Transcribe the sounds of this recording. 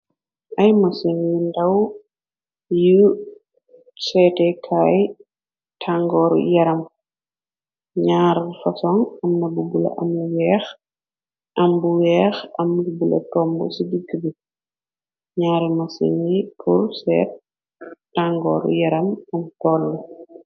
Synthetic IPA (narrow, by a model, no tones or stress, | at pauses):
ʔɐjmɐseŋindɐw | ju | sɛtɛkʰaj | tʰaŋɡɔːɾṵjɐɾɐm | ɲaːɾfɐsɔŋɐmnɐbubulɐ̰ʔɐmuwɛːx | ʔɐmbuwɛːxɐmlubulɐ̰tɔmbɔ̰sidiɡːəbi | ɲaːɾimɐsḛŋipʰursɛ̰ːt̚ː | aŋɡɔ̰ːɾṵjɐɾɐmɐmtɔːlːɔ